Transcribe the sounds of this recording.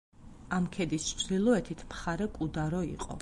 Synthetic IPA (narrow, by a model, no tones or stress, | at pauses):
amkʰɛd̪ist͡ʃʰd̪ilˠɔɛt̪ʰit̪ʰmχaɾɛkʼud̪aɾɔḭqʼɔ̰